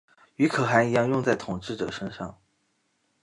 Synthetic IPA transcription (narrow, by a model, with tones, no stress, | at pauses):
y˧˥kʰɤ˨˩xa˧˥ni˨˥jɑ˥˧ŋjʊ˥˧ŋt͡sa˥˩ɪt̪ʰʊ˨˩ŋʈ͡ʂɻ̩˥˩ʈ͡ʂɤ̰˨˩ʂə˥nʂɑ˥˩ŋ